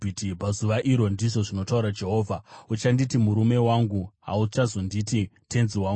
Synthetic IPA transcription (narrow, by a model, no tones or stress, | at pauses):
itipazuʋaʔiɾo̞ndiʐo̞ʐino̞tauɾad͡ʒe̞ɦo̞ːvʱaut͡ʃanditimuɾume̞waŋɡuɦaut͡ʃazo̞ndititʰe̞nziwaːŋɡu